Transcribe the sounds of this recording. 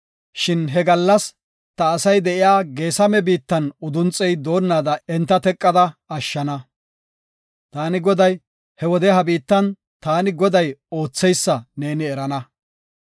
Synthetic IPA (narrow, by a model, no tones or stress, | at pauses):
ʃɪnɦɛɡɐlːɐs | t̪ɐːsɐjd̪ɛʔɪjaːɡe̞ːsɐmɛbiːt̪ːɐnʊd̪ʊnt͡sʼɛjd̪o̞ːnːaːd̪ɐɛnt̪ːɐt̪ɛkʼːɐd̪ɐɐʃːɐnɐ | t̪aːnɪɡɔd̪ɐj | hɛwɔd̪ɛɦɐbiːt̪ːɐn | t̪aːnɪɡɔd̪ɐjo̞ːt͡sːɛjsːɐneːnɪɛɾɐnɐ